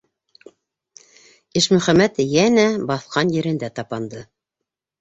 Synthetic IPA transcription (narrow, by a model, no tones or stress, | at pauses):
ɘʃmɵ̆χæmæt̪jænæbɑθqɑnjɘ̆ɾɘ̆nd̪æt̪ɑpɑnd̪ɤ